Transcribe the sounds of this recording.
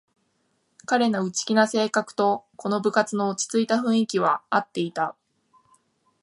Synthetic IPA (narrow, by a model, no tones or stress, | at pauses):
kaɾe̞noɯ̟t͡ɕi̥kʲinase̞ːkakɯ̟̥t̪o̞ko̞no̞bɯ̟kat͡sɨno̞ot͡ɕi̥t͡sɨit̪aɸɯ̟̃ɰ̃ikʲiβ̞aat̪ːe̞it̪a